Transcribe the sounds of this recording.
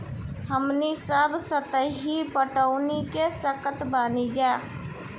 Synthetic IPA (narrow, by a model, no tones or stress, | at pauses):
ɦəmnisəbsət̪əɦibəʈəʊnikesəkət̪baːnid͡ʒaː